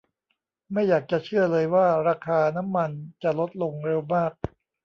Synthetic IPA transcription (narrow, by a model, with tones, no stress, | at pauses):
ma˥˩jːaː˨˩k̚t͡ɕa˨˩t͡ɕʰɯ˥˩ɐlɤː˧jwaː˥˩ɾaː˧kʰaː˧na˦˥mːa˧nt͡ɕa˨˩lo˦˥t̪̚lo˧ŋɾe˧wmaː˥˩k̚